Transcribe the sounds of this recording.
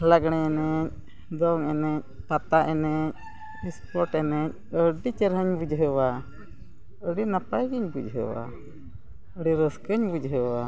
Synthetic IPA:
laɡɳ̃ɛɛnɛc̚ | d̪ɔŋɛnɛc̚pat̪aʔɛnɛc̚ | ispɔɾʈɛnɛc̚əɖit͡ʃɛɾɦəɲbud͡ʒɦəwa | əɽinapajɡiɲbud͡ʒɦə̰wa̰ | əɖiɾəskəɲbud͡ʒɦəwa

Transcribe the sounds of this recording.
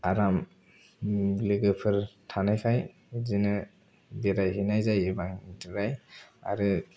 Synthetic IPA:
aɾam | lɯɡɯpʰɯɾtʰanajkʰaj | zinɯ | biɾajhinajzajibaŋdɯɾaja̰ɾɯ

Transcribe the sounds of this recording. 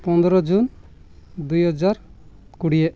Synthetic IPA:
pɔnd̪ɾɔd͡ʒun | d̪ujɦɔd͡ʒaɾkuɽieʔ

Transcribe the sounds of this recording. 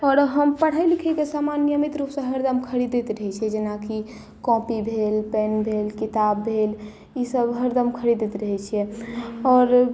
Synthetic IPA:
ɔɾɦəmpəɽ̤ajlikʰɛkesamanjəmit̪ɾupsə̃ɦəɾd̪əmkʰəɾid̪et̪ɾəɦɛt͡ʃʰiɛd͡ʒenaki | kɔ̃pibʱelpɛnbʱelkit̪abːʱel | isəbɦəɾd̪əmkʰəɾid̪et̪ɾəɦɛt͡ʃʰiɛɔːɾ

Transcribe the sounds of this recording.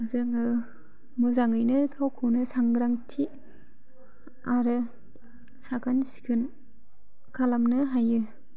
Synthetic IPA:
ɯzɯŋɯ | mɯzaŋɯjnɯkʰawkʰɯwnɯsaŋɡɾaŋtʰi | aɾɯ | sakʰansi̥kʰɯn | kʰalamnɯɦajɯ

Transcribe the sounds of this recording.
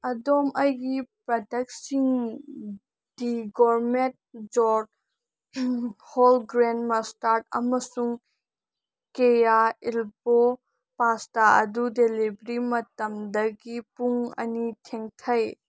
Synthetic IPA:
ɐdomʔɐjɡipɾɐdɐk̚siŋ | d̥iɡɔɾment̚ | d͡ʒɔd̚ | hɔlɡɾenmɐstaɾtɐ̰mɐsuŋ | kejailbo | pastaɐ̰dudelibɾimɐtɐmdɐɡipuŋɐ̰nitʰeŋtʰɐj

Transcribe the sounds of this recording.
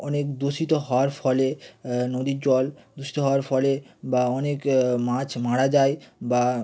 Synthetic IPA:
ɔnekd̪oʃit̪oɦɔoaɾfɔlenod̪id͡ʑɔld̪oʃi̥t̪oɦɔoaɾfɔlebaɔnekmãt͡ɕʰmaɽad͡ʑaeba

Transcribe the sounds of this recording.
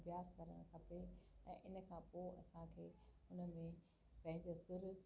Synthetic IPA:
ʋjaːskɐɾə̰ɽ̃kʰɐpeɛ̰̃ːʔɪn̆kʰãːpoːɐ̰sãkʰeːɦʊnə̆mẽ | pɐ̃ɦɪ̃ɲd͡ʑosɪɾ

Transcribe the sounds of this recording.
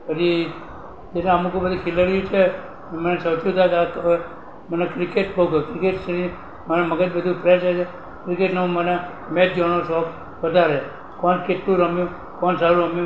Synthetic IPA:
əd͡ʒi | d͡ʒenẽamũkebəd̪ikʰiləɽjũt͡ʃʰe | mənesəwt͡ʃʰũt̪ʰakak | mənekɾikeʈboɡokɾikeʈsənĩ | mənaməɡəd͡ʒbəd̪ʱũpɾesat͡ʃʰe | kɾikeʈnãməne | med͡ʒɔnosɔb | ʋəd̪ʱaɾe | kɔnkeʈlũɾəmjũ | kɔnsaɾuɾəmjũ

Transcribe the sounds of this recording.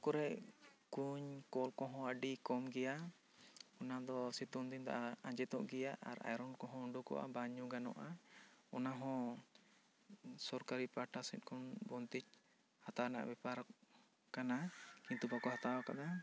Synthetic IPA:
kɔɾɛʔkuɲkɔlkɔ̃ɦɔ̃əɖikɔmɡɛja | ɔnad̪ɔsit̪und̪int̪a̰ʔaãɲd͡ʒɛt̪ɔʔɡɛjaʔa̰ɾa̰jɾɔnkɔ̃ɦɔ̃uɳɖukɔ̰ʔa̰baɲuɡanɔ̰ʔaɔnaɦɔ̃ | sɔɾkaɾipaɾʈasɛt̪̚kʰɔnbɔnt̪ic̚ | hat̪awana̰ʔbɛpaɾɔk | kanakint̪ubakɔɦat̪awakad̪a

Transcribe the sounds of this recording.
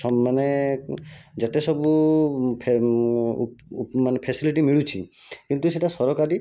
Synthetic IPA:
ɔmane | d͡ʒat̪esɔbupʰ | manepʰesiliʈimiɭut͡ʃʰḭkint̪useʈasɔɾɔkaɾi

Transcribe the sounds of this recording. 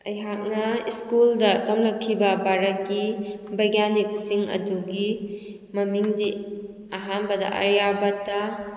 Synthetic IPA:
ɐjɦak̚nɐiskuldɐkɐmlɐkʰːibɐbaɾɐt̚kibʱajɡanik̚siŋɐ̰duɡi | mɐmiŋdi | aɦanbɐdɐ̰ʔɐ̰ɾjabɐta

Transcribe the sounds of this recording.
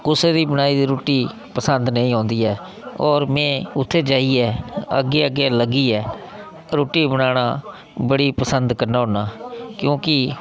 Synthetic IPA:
kʊseːd̪iːbənaːiːd̪iːɾoːʈiː | pəsənd̪nəĩːɦõːnd̪iːɛː | ɔːɾmɛ̃ːʊt̪ʰːeːd͡ʒaːiːɛːə̰ɡːeːəɡeːləɡiːɛː | ɾoːʈiːbənaːɽaː | bəɽiːpəsənd̪kəɾnaːɦoːnaːkjõːkɪ

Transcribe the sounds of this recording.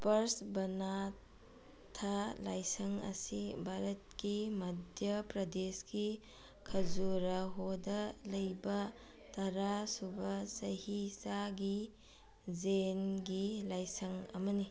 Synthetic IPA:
pɐɾsbɐna | tʰalajsɐŋɐ̰sibʱaɾɐt̚kimɐdʱjɐpɾɐdeski | kʰɐzuɾaɦodɐlɐjbɐ | tɐɾasubɐsɐhisaɡi | zenɡilajsɐŋɐ̰mɐni

